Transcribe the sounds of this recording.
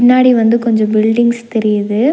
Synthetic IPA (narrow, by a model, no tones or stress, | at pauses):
ɪnːaːɽiʋɐnd̪ɯkɔɲd͡ʒɔ̃bɪlɖɪŋɡst̪ɛɾɪjɐðɯ